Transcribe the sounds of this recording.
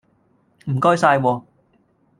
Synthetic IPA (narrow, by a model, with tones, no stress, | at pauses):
m̩˨˩kɔː˥jsaː˧jwɔː˧